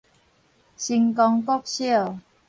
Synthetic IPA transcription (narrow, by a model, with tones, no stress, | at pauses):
ɕi˧ŋkɔ˧ŋkɔ˦k̚ɕi˥˩˨